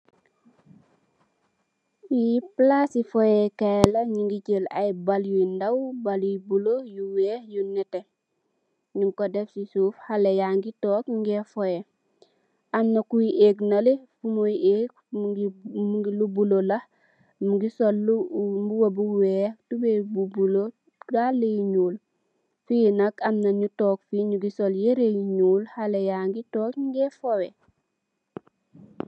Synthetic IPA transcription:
wiplasifojekalɐɲiŋɡicəla̰jbaljuindawbalwibulojuweːhjunɛte | ɲumkodefsisuːfhalejaŋɡitoːkŋɡefoje | ʔanːokujiʔeːknalifumojiʔeːk̚ | ɡmuɡilubulolɐh | muɡisolːumbuwobuweːtubebubulo | ɡalːejiɲuːl | finɐkamnɐɲutɔːk̚fiɲuɡisoljeɾejiɲuːlhalejaːŋɡitɔːkŋɡɛfowe

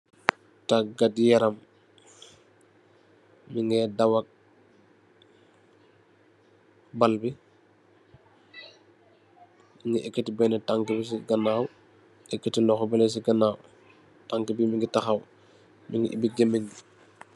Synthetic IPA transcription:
taɡadjaɾɐm | iŋɡɛdawak̚ | balbi | miŋɡiʔɛkːetibɛnɛtaŋkibis̬iɡanaːw | ɛkːetilɔxɔbɛlɛs̬iɡɐnaːw | taŋkibimiŋɡitaxaw | miŋɡḭʔḭbiɡemeɲɡi

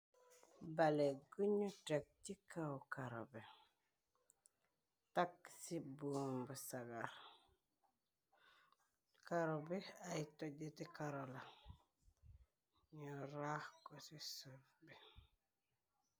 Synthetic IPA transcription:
baleɡuɲutek̚tikawkaɾo̰bɛ | taksibuːmbusaɡaɾ | kaɾɔbɛajtoɟetikaɾɔla | ɲɔɾahkɔsisufbi

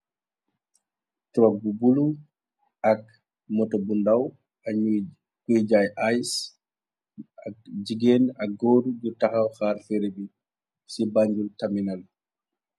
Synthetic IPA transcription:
tɾabubulu | ʔak | mɔtɔbundaw | a | kujd͡ʒajʔajs | ad͡ʒiɡenaɡoːdud͡ʒɔtahawxaːɾfeɾebi | sibaɲd͡ʒultaminal

